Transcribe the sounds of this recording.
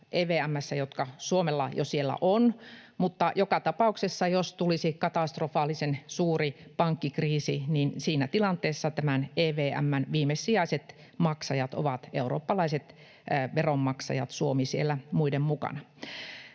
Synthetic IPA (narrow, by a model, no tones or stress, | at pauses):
ʔeːʋeːæmːæsːæjot̪kɑsuomelːɑ̰josielːæ̰ʔonmut̪ːɑjokɑt̪ɑpɑuksesːɑjost̪ulisikɑt̪ɑˑst̪rofɑːlisensuːripɑŋkːikriːsḭninsiːnæt̪ilɑnt̪ˑeːsːɑt̪æmæneːʋeːʔæ̰mːænʋiːmesːiɑiset̪ | mɑksɑjɑt̪o̰ʋɑt̪euro̰ːpːɑlɑiset̪ː | ʋeromːɑksɑ̰jɑ̰t̪suomisielːæmuidemmukɑ̰nɑ